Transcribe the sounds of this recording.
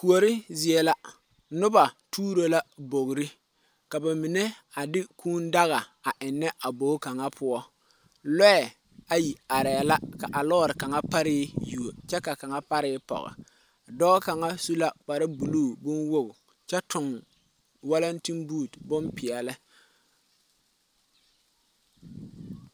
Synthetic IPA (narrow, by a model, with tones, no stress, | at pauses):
ku˨o˨ɾɪ˦zɪ˨ɛ˨la˦ | nʊ˦ba˨tuː˦ɾo˦la˦bo˨ɣɾɪ˦ | ka˨ba˨mɪ˨ne˦ | a˨dɪ˦kuː˦nda˦ɣa˨a˨ʔɪ˨nːɛ˦ʔa˨bo˨˦ka˨ŋa˦pʰʊ˦ɔ˦ | lɛ˦ɛ˨ | a˨ji˨a˨ɾɛ˨la˦ka̰˨ʔa˨lɔː˦ɾɪ˨ka˨ŋa˦pa˦ɾɪː˦ju˨o˨t͡ʃɛ˦ka˨ka˨ŋa˦pa˦ɾɪː˦pɔ̰˨ɣɪ̰˨ | dɔː˦ka˨ŋa˦su˦la˦k͡pa˨ɾa˦bu˨luː˦˨bʊ˦nwo˦b | t͡ʃɛ˦tʊ˨ŋ | wa˦la˦n˦ti˦mbuː˦˨tbʊ˦mpɪ˨ɛ˨lɪ˦